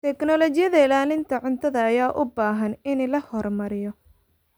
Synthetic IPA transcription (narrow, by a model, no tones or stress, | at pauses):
t̪ʰɛknɔlɔt͡ʃɪjɐðɐɪlaːlɪnt̪ʰɐʕʊnt̪ʰɐðɐːjaːʔʊbaːɦɐnɪnlɐhɔrmɐɾɪjɔ